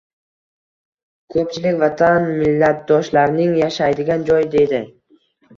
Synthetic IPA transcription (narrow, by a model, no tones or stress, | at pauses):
kʰɵp̚t͡ʃʰɪlɪkʲvat̪ʰanmɪlːat̪̚d̪ɒʃlaɾnɪŋjaʃajd̪ɪɡʲand͡ʒɒjd̪e̞d̪ɪ